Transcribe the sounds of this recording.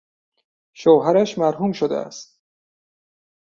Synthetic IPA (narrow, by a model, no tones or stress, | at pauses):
ʃoːɦæɾæʃmæɾɦuːmʃod̪ḛæ̰st̪̚